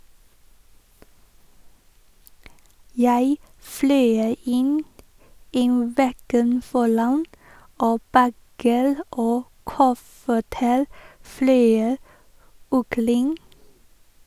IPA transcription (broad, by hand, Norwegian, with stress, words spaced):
ˈjæɪ ˈflœʏ ˈɪn ˈiː ˈʋɛɡən ˈfɔɾɑn ˈoː ˈbæɡəɾ ˈoː ˈkʊfəʈəɾ ˈflœʏ ɔkəˈɾɪŋ